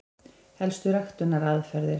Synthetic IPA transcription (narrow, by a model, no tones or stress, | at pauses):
hɛlst̪ʏɾaxt̪ʏnːaɾaðfɛɾðɪɾ